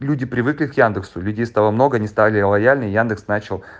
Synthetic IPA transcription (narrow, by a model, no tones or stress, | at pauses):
lʲudʲɪpɾʲɪvɨklʲɪkjand̪ɨksʊlʲʉdʲejst̪ɐvomno̞ɡənʲɪst̪avʲlʲɪlˠɐjalʲnəjand̪ɨksnat͡ɕɪlˠ